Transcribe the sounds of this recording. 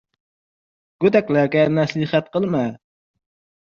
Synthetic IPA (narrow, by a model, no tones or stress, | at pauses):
ɡ̥ʲød̪ɛkʲlæɾkʲɛnɛsləχɛt̪̚qəlˠmɛ